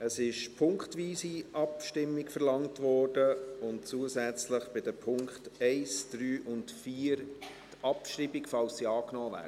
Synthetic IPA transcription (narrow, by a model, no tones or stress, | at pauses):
əsɪʃpʰʊŋkχtʋiːsiʔɑpʃtɪmːikfəɾlɑŋtʋɔːrd̥əʊntt͡suːəsæt͡sləχb̥ɪdəpʰʊŋkχtɛɪsd̥ɾyːʔʊntfiːɾ | tɑpʃɾibikfɑlsːiɑːknɔːvæ̰ː